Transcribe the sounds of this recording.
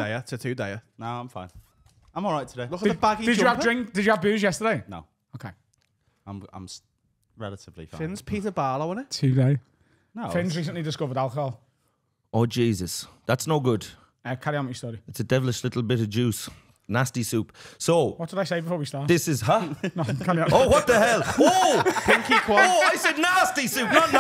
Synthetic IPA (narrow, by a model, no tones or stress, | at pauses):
deɪətʰətʰʉːdeɪənoʊãɪ̃fãɪ̃n | ãɪmɔlˠɹaɪtʰədeɪlʊkəəbaɡid̥ɪd͡ʒəəvddɹɪ̃ŋkd̥ɪd͡ʒəəvbʉːzjɛstədeɪno̰ʊ | oʊkʰeɪ | ãɪ̃mã̰ɪ̃ms | ɹɛlətɪvlḭfɪ̃nz̥pʰiˑtəbaːlˠəwɔ̃nɪʔtʰʉːdeɪ | nofɪ̃nzɹiˑsə̃nʔlidɪskʊvədalˠkəhhɔlˠ | oːd͡ʒiːzəsðatsnoʊɡʊd̥ | əkʰaɾiãməstɔːɾiɪtsədɛvəlɪʃlɪtˡl̩ˠbɪɾəvd͡ʒʉːˑs | nastisʉːˑpsoʊwɒt̚d̥ɪdaɪseɪbɪfɔːwistaːˑðɪsɪz̥ɦənokʰalioʊwɒt̪̚əɦɛlˠoɪ̃ŋkikʰw̥aaɪsɛdⁿnastisʉːˑp̚nətn